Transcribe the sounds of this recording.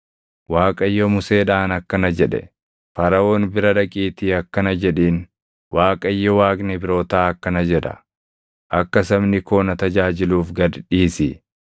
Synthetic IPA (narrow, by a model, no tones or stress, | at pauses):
waːkʼɐjːɔmʊse̞ːᶑaːnɐkːɐnɐd͡ʒɛᶑɛ̰ | fɐɾɐo̞ːnbɪɾɐᶑɐkʼiːt̪ɪɐkːɐnɐd͡ʒɛᶑiːn | waːkʼɐjːɔwaːkʼnɛbɪɾo̞ːt̪aːɐkːɐnɐd͡ʒɛᶑɐ̰ | ʔɐkːɐsɐbnɪko̞ːnɐt̪ɐd͡ʒaːd͡ʒɪluːfɡɐd̪ᶑiːsɪ